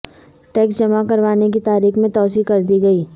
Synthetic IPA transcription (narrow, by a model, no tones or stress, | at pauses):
ʈɛːksd͡ʒɐmakɐɾʋaːnek̬it̪aːɾiːxmẽt̪ɔːsikɐɾd̪iɡɐiː